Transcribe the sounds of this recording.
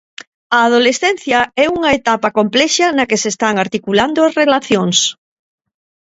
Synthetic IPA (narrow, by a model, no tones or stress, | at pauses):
ɐːðolesθɛn̟θjɐɛuŋɐet̪apɐkomplɛʃɐnɐkesest̪aŋaɾt̪ikuland̪oɐsrelaθjoŋs